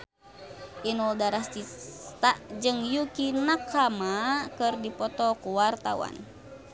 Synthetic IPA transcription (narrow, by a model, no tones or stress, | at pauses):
ʔinɔldaɾast͡ʃit̪aʔd͡ʒɨŋjukinakʰamakɨrdipɔt̪ɔkuwart̪awa̰n